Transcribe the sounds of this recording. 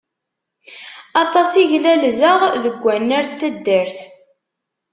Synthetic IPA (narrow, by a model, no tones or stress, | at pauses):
ɑt̪ˤɑsiʝlælzəʁðəɡʷːænːæɾt̪ːæd̪ːəɾθ